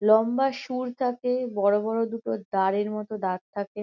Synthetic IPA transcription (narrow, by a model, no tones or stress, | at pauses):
lɔmbaʃuɾt̪ʰakebɔɾobɔɾod̪uʈod̪aɾeɾmɔt̪od̪aɾt̪ʰake